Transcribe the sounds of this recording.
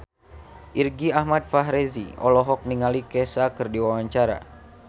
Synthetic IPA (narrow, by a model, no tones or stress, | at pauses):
ʔirɡiahmat̪̚faɦɾezḭɔ̰lɔɦɔk̚niŋalikɛsakɨrdiwawaɲt͡ʃaɾa̰